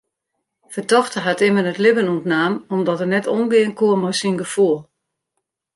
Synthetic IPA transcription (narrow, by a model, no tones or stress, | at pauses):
fətɔxtəɦatɪmənətlɪbənuntnaːmɔmdɔtərnɛtonɡɪənkuəmɔjsinɡəfuəlˠ